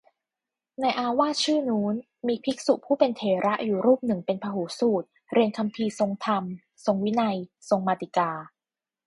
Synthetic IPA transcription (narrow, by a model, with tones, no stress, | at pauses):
na˧jʔaː˧waː˥˩t͡ɕʰɯː˥˩nuː˦˥n | miː˧pʰi˦˥k̚su˨˩pʰuː˥˩pe˧nt̪ʰeː˨˩˦ɾa˦˥ʔjuː˨˩ɾuː˥˩p̚nɯ˨˩ŋpe˧npʰaː˧ɦuː˩˦suː˨˩t̪̚ | ɾi˧ənkʰa˧mpʰiː˧so˧ŋt̪ʰa˧m | so˧ŋwi˦˥na˧j | so˧ŋmaː˧t̪i˨˩kaː˧